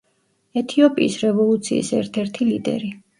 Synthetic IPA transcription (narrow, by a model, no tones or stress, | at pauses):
ɛt̪ʰiɔpʼḭːsɾɛvɔlˠut̪sʰḭḭsɛɾt̪ʰɛɾt̪ʰilid̪ɛ̰ɾi